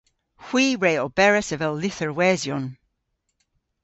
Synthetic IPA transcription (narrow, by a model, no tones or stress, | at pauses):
hw̥iːɹeɪɔlˠbɛɹəsəvɛlˠːɪθəɹwɛːzjɔn